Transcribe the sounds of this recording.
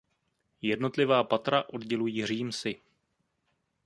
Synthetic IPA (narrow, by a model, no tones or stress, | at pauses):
jɛdno̞t̪lɪvaːpat̪ɾaʔo̞dɟɛlujiːr̝iːmsɪ